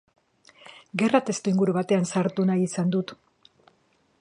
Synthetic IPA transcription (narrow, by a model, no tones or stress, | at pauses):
ɡe̞rat̪e̞st̪uiŋɡuɾuβat̪e̞ansaɾt̪unajisand̪ut̪